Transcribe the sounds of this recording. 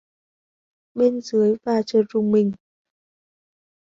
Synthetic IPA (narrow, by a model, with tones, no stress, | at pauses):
ɓe˧nzɨ˨˦əjvaː˨˩t͡ɕəː˨˩zʊ˨˩ŋ͡mmï˨˩ŋ̟